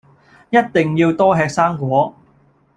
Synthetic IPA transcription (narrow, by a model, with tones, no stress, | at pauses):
jɐ˥t̚t̪ɪ˨˩ŋjiː˧wt̪ɔː˥ɦɛː˧k̚saː˥ŋkʷɔː˨˥